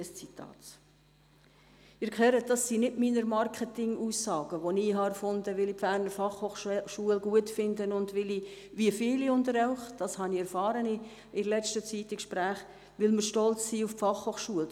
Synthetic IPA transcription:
əst͡sitʰɑ̰ːt | ɪɾkʰχœɾət̚d̥ɑsːiːnɪdmiːnəɾmɑrkχətɪŋuːsːɑːɡ̥əʋoniːɦɑɛɾfʊndəʋɪlipfæːɾnəɾfɑχhoχʃuəlɡuətfɪndənʊndʋɪli | viəfɪːliʊndəɾaʊχd̥ɑshɑniɛɾfɑːɾənɪ | ɪlɛt͡ʃtət͡siːtːɪkʃpɾæːχ | ʋɪlməɾʃtɔlt͡ssiːʊffɑχhoːχʃuəl

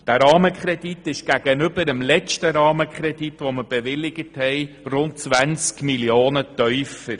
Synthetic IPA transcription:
d̥æɾɑːməkχɾɛditɪʃɡ̥æɡ̥ənʏb̥əɾəmlɛt͡ʃtəɾɑːməkχɾɛditʋoməb̥eʋɪlɪɡəthɛɪrʊnt̚t͡sʋænt͡skmiljoːnətœʏfəɾ

